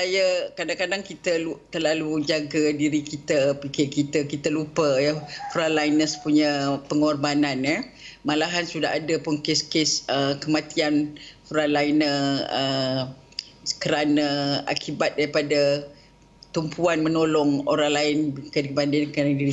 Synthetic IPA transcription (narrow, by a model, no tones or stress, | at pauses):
sajəkadaŋkadaŋkit̪əlut̪ərlalud͡ʒaɡədiɾikit̪əpikekit̪əkit̪əlupəjəkuɾanlainəsə̥puɲəpəŋɔrbananə | malaɦansudaɦadəpʊnkeskesəkəmãt̪iankuɾanlainəə | kəɾanaa̰kibat̪̚daɾipada | t̪umpʰuanmənolɔŋoɾaŋlaɪnkədibandɪnknadiɾi